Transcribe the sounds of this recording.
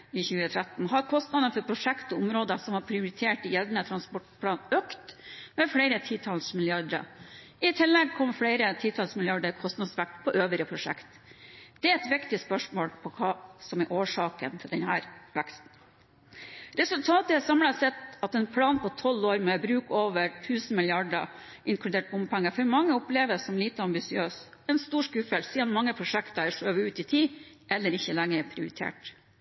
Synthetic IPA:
ɪçʉːət̪ʰɾæt̪n̩ɦɑɾkʰɔst̪nɑd̪ənfɔɾpʰɾʊʂɛkt̪ɔʊmɾoːd̪əsɔmhɑɾpʰɾɪʊɾɪt̪ʰeːʈɪjɛld̪nət̪ʰɾɑnspɔʈpʰlɑːnøːkt̪mɛfɽeɪɾət̪ʰiːt̪ʰɑlsmɪlɪɑɖɾə̰ | ɪt̪ʰɪlːɛɡ̚kʰɔmːəfɽeɪɾət̪ʰiːt̪ʰɑlsmɪlɪɑɖəɾkʰɔst̪nɑd̪sʋæk̚t̪pʰɔʔøːʋɪɾəpʰɾʊʂɛ̰kt̪ | d̪̥ɛæɛt̪ʋɪkt̪ɪspœʂmoːlpʰɔkʰɑːsɔmɛɾʔoːʂɑːkə̰nt̪ʰɪɖ̪ɛnhæːɾʋækst̪n̩ | ɾɛsʉlt̪ʰɑːt̪əɛsɑmlɑsɛt̪ɑt̪ɛnpʰlɑːnpʰɔt̪ʰɔlːoːɾmɛbɾʉːkoːʋəɾʈʰʉːsn̩mɪlɪɑɖə | ʔɪŋkʰlʉd̪eːʈ̚bʊmpʰæŋːəfɔɾmɑŋːəɔpleːʋəsɔmliːt̪əɑmbɪsɪøːsɛnst̪uːʂkʉːfɛlsiːənmɑŋːəpʰɾʊʂɛkt̪ɑɛʂøːʋəʉːt̪it̪ʰiː | ʔɛlːəɾɪçːəlæŋːəɾpʰɾɪʊɾɪt̪ʰḛːʈ

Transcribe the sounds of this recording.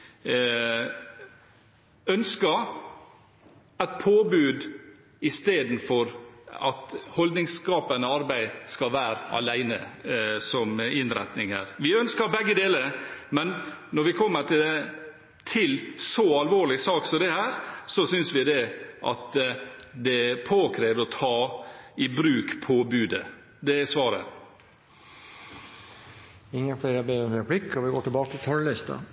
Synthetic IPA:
œnskəɾ | ɛt̪̚pʰoːbʉːd̪ | ɪst̪eːd̪n̩fɔɾɑt̪hɔld̪nɪŋskɑːpənəɑɾbæɪskɑʋæːɾəɑ̰læɪnəsɔmɪnɾɛ̰t̪nɪŋhæ̰ɾʋɪœnskəɾbɛɡːəd̪eːləɾmɛnnɔɾʋɪkʰɔmːəʈʰɪld̪ɛ | t̪ʰɪlsɔɑlʋoːɾɭɪsɑːksɔd̪ɛhæːɾsɔsʏnsʋɪd̪ɛʔɑ̰t̪ | d̪ɛpʰoːkʰɾeːʋdəɔt̪ʰɑːɪbɾʉːkpʰɔbʉːd̪ə | d̪ɛsʋɑːɾə̰ | ɪŋːəfɽeːɾəbeɾɛpʰlɪkːhɑɾʋɪɡoːʈʰːɪlbɑːkət̪ʰɪlt̪ʰœɳlɪst̪ɑ̰

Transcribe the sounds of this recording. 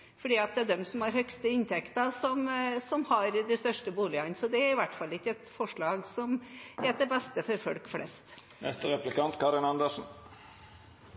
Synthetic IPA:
fɔɖiːɑt̪̚d̪ɛæd̪ɛmsɔmhɑɾhœkst̪əɪnt̪ʰɛkt̪əsɔmsɔmhɑɾd̪ɛst̪œʂʈəbuːlɪɑnsɔd̪ɛæɾɪʋæʈːfɑlːɪkːəɛt̪fɔʂɭɑːɡsɔmɛːt̪d̪ɛbɛst̪əfɔɾfɔlkflɛ̰st̪ | nɛ̰st̪əʁɛplɪkɑnt̪kʰɑɾɪnɑnd̪əʂn̩

